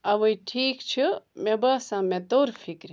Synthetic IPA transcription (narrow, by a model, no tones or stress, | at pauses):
ɐʋoiʈʰiːkt͡ʃʰimẽbaːsãːmẽt̪oːɾfʰikɾi